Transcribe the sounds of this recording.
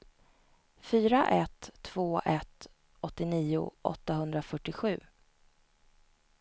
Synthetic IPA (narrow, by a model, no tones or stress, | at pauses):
fyːɾaʔɛt̪ʰːv̥oːʔɛt̪ | ɔt̪ːɪniːʊ̰ʔɔ̰t̪ːaɦɵnd̪ɾafœʈːɪɧʉ̟ː